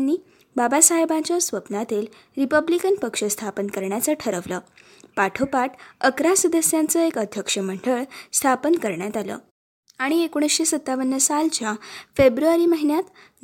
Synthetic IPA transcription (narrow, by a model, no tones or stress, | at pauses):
nːiː | babasaɦebãt͡ɕjasʋəpnat̪el | ɾipəblikənpəkʂəst̪ʰapənkəɾɳjat͡səʈʰəɾəʋləː | paʈʰopaʈəkɾasud̪əsjant͡səekəd̪ʱjəkʂəm̤əɳɖəɭst̪ʰapənkəɾɳjat̪alə̰ː | aɽ̃iekoɽ̃əsɕesət̪ːaʋənjəsalt͡ɕjafebɾuaɾiməɦinjat̪